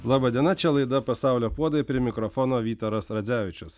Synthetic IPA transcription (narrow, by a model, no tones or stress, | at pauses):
lˠɑːbɐd̪ʲiɛnɐt͡ʃʲɛlˠɐɪd̪ɐpɐsɑˑʊlʲoːpuɔd̪ɐipʲɾʲɪɛmʲɪkɾɔfɔnoːʋʲiːt̪oɾɐsɾɐd̪zʲæːʋʲɪt͡ʃʲʊs